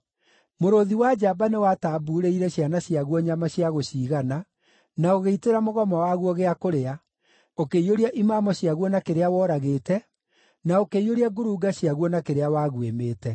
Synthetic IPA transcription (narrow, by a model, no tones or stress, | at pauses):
moɾoðiwad͡ʒaːbanewataːbuɾeiɾɛɕjanaɕjaɣwɔɲamaɕjaɣoɕiːɣana | naoɣeiteɾamoɣɔmɔwaɣwɔɣeakoɾea | okeioɾiaʔimaːmɔɕjaɣwɔnakeɾeawɔɾaɣetɛ | naokeioɾiaɡoɾuɡaɕjaɣwɔnakeɾeawaːɣwemeːtɛ